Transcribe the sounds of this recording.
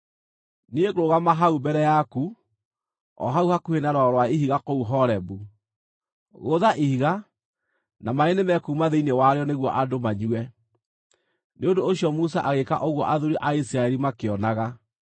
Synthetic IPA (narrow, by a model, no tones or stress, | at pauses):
nieɣoɾoɣamaɦaubɛɾɛjaku | ɔ̰ɦauhakuhenaɾɔɾwaiɦiɣakouɦɔɾɛbu | ɣoðaʔihiɣa | namaenemɛkuːmaðeinewaɾeɔneɣwɔʔadomaɲuɛ | neondoːɕjɔmusaʔaɣeka̰ʔoɣwɔʔaðoɾiʔaisiɾaɛɾimakeɔnaɣa